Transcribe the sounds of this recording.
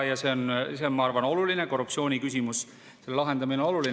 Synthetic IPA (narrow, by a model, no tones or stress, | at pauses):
jɑse̞onse̞onmɑɑrvɑno̞luline̞ko̞rːuptsio̞ːnʲikys̬ʲimus | se̞llɑɦe̞nd̪ɑmineo̞lulin